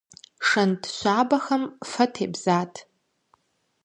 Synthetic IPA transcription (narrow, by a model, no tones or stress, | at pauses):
ʂɐndʃʷaːbaxɐmfɐtʰḛbzaːtʼʰ